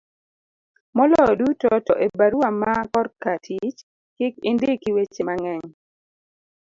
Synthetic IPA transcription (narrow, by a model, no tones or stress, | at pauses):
mɔlɔdutɔtɔʔebaɾwamakɔrkatʰit͡ʃ | kɪkɪndɪkiwet͡ʃemaŋɛɲ